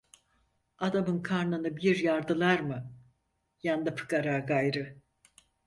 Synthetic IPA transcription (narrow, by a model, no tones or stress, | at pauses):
ad̪amɯnkʰaɾnanɯbiɾjaɾd̪ɯlˠaɾmɯ | jand̪apʰɯ̥kaɾaːɡajɾɯ